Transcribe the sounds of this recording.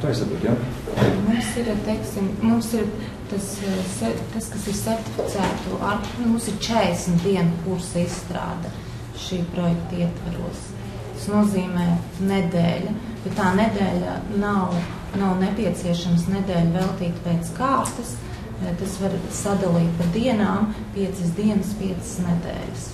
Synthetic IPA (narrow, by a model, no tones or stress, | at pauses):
t̪ojisap̪ɾṵt̪jamumsiɾt̪eɪksimmumsiɾ | t̪assɛt̪askasiɾsʲɛɾt̪i̥fʲi̥t̪sæːt̪uʔaɾmumsiɾt͡ʃɛsm̩ʲt̪̚d̪iɛnpuɾsɐisst̪ɾa̰ːd̪ɐ | ʃiːpɾɔjɛkt̪iɛt̪vaɾṵəs | t̪ḁsnuɔziːmɛːned̪ɛːlʲa | b̥et̪t̪ːaːned̪ɛːlʲanaw | nawnɛpʲiɛt̪siɛʃamsnɛd̪ɛːlʲvɛlˠt̪iːt̪pɛːt̪skaːɾt̪ɐs | t̪asʋaɾsad̪alˠiːt̪̚pad̪iɛnaːmpiɛt̪sɨs̬d̪iɛnəspiɛt̪sə̥snɛd̪ɛ̰ːlʲɪs